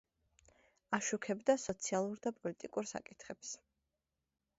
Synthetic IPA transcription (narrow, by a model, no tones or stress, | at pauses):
aʃukʰɛbd̪asɔt̪sʰialˠuɾd̪apʼɔlit̪ʼikʼuɾsa̰kʼit̪ʰχɛps